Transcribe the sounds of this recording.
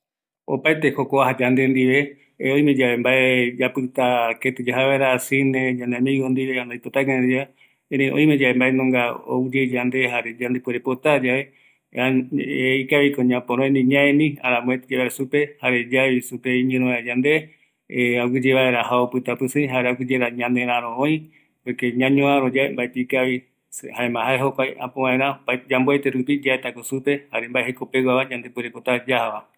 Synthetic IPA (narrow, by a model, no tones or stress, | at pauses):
o̰paet̪ehokoaɦad͡ʒand̪e̞nd̪iβe̞ | oj̃mẽd͡ʒaβe̞mbaed͡ʒapɨt̪aket̪ɨd͡ʒaɦaβaeɾasinẽd͡ʒãnd̪eamĩɡond̪iβeãnd̪ajpot̪akẽnd̪ia | eɾẽʔõ̰j̃med͡ʒaβe̞mbaenõŋɡao̰ud͡ʒed͡ʒand̪ehaɾe̞d͡ʒand̪epeɾepot̪ad͡ʒaβe̞ | aeikaβikoɲãpõɾõẽnĩɲãẽnĩa̰ɾamõet̪d͡ʒeβaɾesupe̞haɾe̞d͡ʒaisupeiɲɨ̃ɾ̃õad͡ʒãnd̪e̞ | awɨd͡ʒeβaeɾahaopɨt̪apɨsɨ̃ɦaɾeaɡɨd͡ʒeɾaɲãnd̪eɾ̃ãɾ̃õõĩ | pokeɲãɲõãɾod͡ʒaembaet̪eikaʋi | haẽmãɦaeɦokʷajã̰põβãẽɾ̃ãbad͡ʒamboejt̪eɾupid͡ʒaet̪akosupe̞haɾembaehekopewaβad͡ʒãnd̪epeɾepot̪ad͡ʒahaʋa